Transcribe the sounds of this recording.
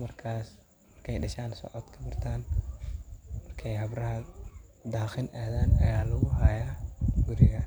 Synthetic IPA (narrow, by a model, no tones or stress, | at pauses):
mɐrkʰaːs | mɐrkʰɛjɖɐʃaːnsɔ̰ʕɔd̪kʰɐbɐrt̪ʰaːn | ɐmɐrkʰɛjɦɐbrɐɦɐd̪aːxɪnʔaːðaːnɐjaːlɐɣʊhɐjaːɡʊɾɪɣɐ